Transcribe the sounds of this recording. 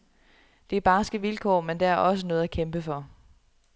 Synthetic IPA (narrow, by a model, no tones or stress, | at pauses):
d̥e̝æɐb̥ɑ̈ːsɡ̥əʋilkʰɒ̰ːmend̥eæɐʔɒ̽sənɔ̽ːðˠækʰemb̥əfɒ̽